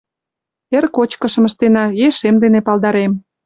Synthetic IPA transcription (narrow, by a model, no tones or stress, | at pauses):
erkot͡ɕkə̆ʃə̆məʃt̪enɑjeʃemd̪enepɑld̪ɑɾem